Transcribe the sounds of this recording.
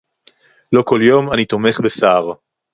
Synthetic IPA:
lo̞ko̞ljo̞manit̪o̞me̞χbesaːʁ

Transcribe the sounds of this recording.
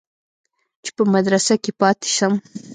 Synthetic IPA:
t͡ʃe̥pəmad̪ɾasakepɑt̪e̥ʃam

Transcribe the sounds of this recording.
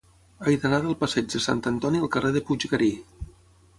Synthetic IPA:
əjðənaðəlˠpəsɛd͡ʒðəsa̰nt̪ənt̪ɔniəlˠkəreðəpud͡ʒɣəɾi

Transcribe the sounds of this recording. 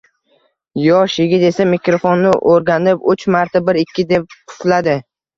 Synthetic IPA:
jɒʃjɪɡʲɪt̪e̞samɪkʲɾofonːɪʔoɾɡʲanɪpʊt͡ʃmaɾt̪ʰabɪɾɪkʲʰːɪd̪e̞p̚qʰʊ̥t̪lad̪ɪ

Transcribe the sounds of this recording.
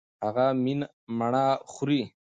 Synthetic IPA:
haɣamin | maɳaxʊɾi

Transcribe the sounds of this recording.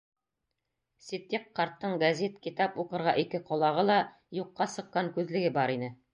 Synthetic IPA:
sʲit̪ʲːeqːɑɾt̪ːɤɴɡɐzʲet̪kit̪ɑpuqɤ̆ɾʁɑʔikɘqŏlˠɑʁɤlˠɑ | juqːɑsɤ̆qːɑŋkʉðlɘ̆ɡɘbɑɾinɘ

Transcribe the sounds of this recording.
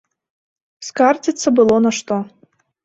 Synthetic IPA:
skard͡zʲit̪sːɐbɨlˠɔnɐʂt̪ɔ

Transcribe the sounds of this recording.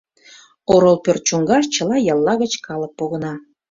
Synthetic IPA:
oɾolˠpørt̪̚t͡ɕuŋɡɑʃ̬t͡ɕəlɑjɑlˠːɑɣət͡ɕkɑlək̚poɣənɑ

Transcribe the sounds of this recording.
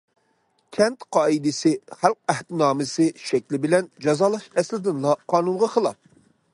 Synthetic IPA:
kʲʰɛnt̪qʰɑːid̪ɪsɪχælq̚æht̪ɪnɑːmɨsɪʃɛkʲlɪbɪlɛnd͡ʒɑzɑːlˠɑʃɛslɪd̪ɪnlˠɑqʰɑːnunʁɑqʰəlˠɑp̚

